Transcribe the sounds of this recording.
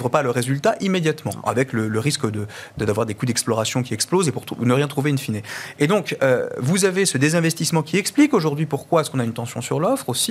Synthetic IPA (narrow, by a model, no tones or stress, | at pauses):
vʁəpaləʁezylt̪aʔimed̪jat̪mɑ̰̃a̰vɛklələʁiskd̪ə | d̪d̪avwaʁd̪ekud̪ɛksplɔʁasjɔ̃kʲiɛksplozepuʁunəʁjɛ̃t̪χuveynfineed̪ɔ̃kø̰vuzavesəd̪ezɛ̃vɛst̪ismɑ̃kʲiɛksplikoʒuʁd̪ɥipuʁkwaɛskɔ̃naynt̪ɑ̃sjɔ̃syʁlɔfχosi